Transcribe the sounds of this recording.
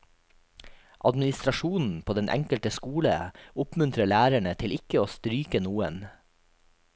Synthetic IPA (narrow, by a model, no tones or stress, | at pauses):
ʔɑd̪mɪnɪst̪ɾɑʃuːnn̩pʰoːd̪ɛnʔɛ̰ŋkəlt̪əskuːlə̰ʊpmʉnt̪ɾəɭæːɾæɳət̪ʰɪlɪkəoːst̪ɾyːkənuːə̰n